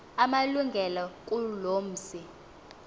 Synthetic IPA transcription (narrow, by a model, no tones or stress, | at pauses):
amaluŋɡʱɛlak̬ʼuloːm̩ːsi